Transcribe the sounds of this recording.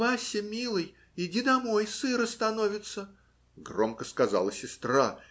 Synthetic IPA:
asʲɪmʲilˠɨj | ɪdʲid̪ɐmojsɨɾəst̪ɐno̞vʲɪt̪sə | ɡromkəskɐzalˠəsʲɪst̪ra

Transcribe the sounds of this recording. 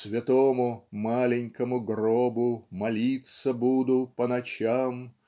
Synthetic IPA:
svʲɪt̪omʊmalʲɪnʲkəmʊɡrobʊmɐlʲit̪səbud̪ʊpənɐt͡ɕam

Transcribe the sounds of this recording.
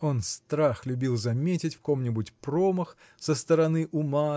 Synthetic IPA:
o̞nst̪ɾaxlʲʊbʲilˠzɐmʲetʲɪtʲfko̞mnʲɪbutʲproməx | səst̪əɾɐnɨʔʊma

